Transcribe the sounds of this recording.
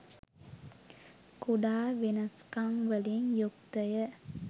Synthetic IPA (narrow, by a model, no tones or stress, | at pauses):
kuɖaːʋenɐskaŋʋəliŋjuk̚t̪əjə